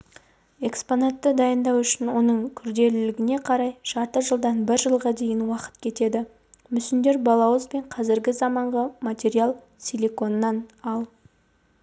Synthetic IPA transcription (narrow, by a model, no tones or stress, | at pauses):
e̞kspo̞nat̪ːəd̪ɑjənd̪ɑwʏʃɪnwo̞nəɴkʲʰʏɾd̪e̞lɪlɪɡʲɪne̞qʰɑɾɑjʒ̥ɑɾt̪əʒəlˠd̪ɑnbɪɾʒəlˠʁɑd̪e̞jɪnwɑqə̥t̪kʲʰe̞t̪e̞d̪ɪ | mʏsɪnd̪e̞ɾbɑlˠɑwəzbe̞ɴqʰɑzɪɾɡʲɪzɑmɑɴʁəmat̪ʲe̞ɾijalˠ | sʲilʲiko̞nːɑnɑlˠ